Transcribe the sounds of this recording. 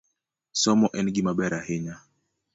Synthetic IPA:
sɔmɔʔɛnɡimaɓɛɾahɛɲa

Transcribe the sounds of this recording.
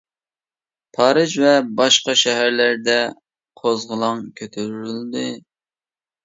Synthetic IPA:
pʰɑːɾɨd͡ʒvɛbɑʃqɑʃɛɦæɾlæɾd̪ɛ | qʰozʁəlˠɑŋkʲʰøt̪ʰøɾyɾyld̪ɨ

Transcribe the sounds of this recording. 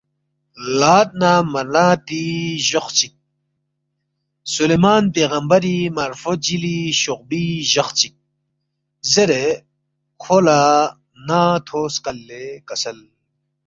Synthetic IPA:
laːt̪̚namɐlaːt̪iʑoxt͡ɕik̚ | sulemaːnpeːɣɐmbɐɾimɐɾfod͡ʑiliɕoq̚biʑɐxt͡ɕik̚ | zeɾe | kʰola | nat̪ʰoːskɐlːekɐsɐl

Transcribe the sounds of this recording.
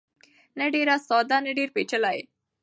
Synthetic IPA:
nɐɖiɾasɔːd̪anɐɖiɾpet͡ʃəlaj̰

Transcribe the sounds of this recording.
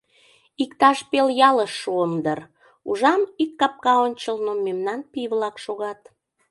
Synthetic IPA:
ikt̪ɑʃpeljɑləʃːuəmd̪ər | uʒɑmikːɑp̚kɑonʲt͡ɕəlnomemnɑnpiβlɑkʃoɣɑt̪

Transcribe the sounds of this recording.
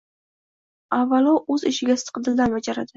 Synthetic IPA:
avːalɒʔɵzɪʃɪɡʲasɪ̥t̪qʰɨd̪ɪld̪anbad͡ʒaɾad̪ɪ

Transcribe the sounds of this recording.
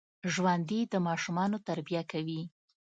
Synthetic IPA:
ʒwand̪id̪əmɑʃumɑnot̪aɾbijakawi

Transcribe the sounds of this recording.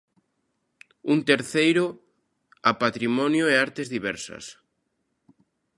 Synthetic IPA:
unt̪eɾθejɾʊ | apat̪ɾimɔnjʊeaɾt̪ezðiβɛɾsɐ̰s

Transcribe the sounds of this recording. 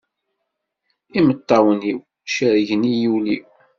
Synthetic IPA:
imət̪ˤːɑwəniw | ʃəɾʝənijuliw

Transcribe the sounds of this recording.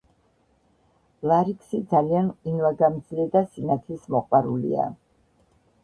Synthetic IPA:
lˠaɾikʰsid̪zalianinvaɡamd̪zilɛd̪asinat̪ʰismɔqʼwaɾulḭa̰

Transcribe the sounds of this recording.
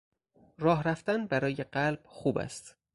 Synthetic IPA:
ɾɒːɦɾæft̪ænbæɾɒːjeɢælb̥̚xuːbæ̰st̪

